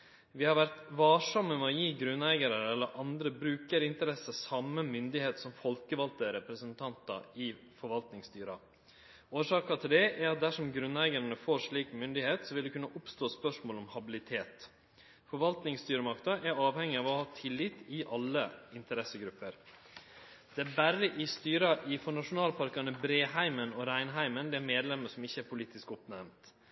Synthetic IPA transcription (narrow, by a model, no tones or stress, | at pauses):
ʋɪhɑɾʋæɾt̪ʋɑːʂɑmːəmɛɔjiːɡɾʉnæɪɡəɾəɾɛlːəɾʔɑnd̪ɾəbɾʉːkəɾɪnt̪əɾɛsəsɑmːəmʏnd̪ɪheːt̪sɔmfɔlkəʋɑlt̪əɾɛpɾəsənt̪ʰɑnt̪ɑ̰ɪ | fɔɾʋɑlt̪nɪŋst̪yːɾɑ | oːʂɑːkɑt̪ʰɪld̪ɛʔæɾɑt̪̚d̪æʂɔmɡɾʉnːæɪɡəɾənəfoːɾʂɭiːkmʏnd̪ɪheːt̪sɔʋɪld̪ʉkʉnːəʔʊpst̪oːspœʂmoːlɔmhɑbɪlɪt̪ʰeːt̪ | fɔɾʋɑlt̪nɪŋst̪yːɾəmɑkt̪ɑʔæɾɑːʋhɛŋːɪɑːʋɔhɑːt̪ʰɪlːɪt̪ːɪʔɑlːəɪnt̪əɾɛsːəɡɾʉpːəɾ | d̪̥ɛæɾbæɾəʔɪst̪yːɾɑʔɪfɔɳɑʂʊnɑːlpʰɑɾkɑnəbɾeːɦæɪmənɔɾæɪnɦæɪmənd̪ɛæɾmeːd̪lɛmːəʂɔmɪçːəæɾpʰʊliːt̪ɪskɔpnæɾmt̪